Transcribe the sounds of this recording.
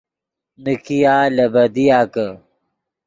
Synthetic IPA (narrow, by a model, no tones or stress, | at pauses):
nikijaːlɐbɐd̪ijaːkə